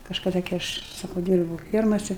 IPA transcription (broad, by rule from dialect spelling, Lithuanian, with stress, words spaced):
kɐʃkɐˈdɐ ɡʲɪ ˈɐʃ ˈsɑːkɐʊ ˈdʲiːrbuːʊ ˈfʲiɛrmɐsʲɛ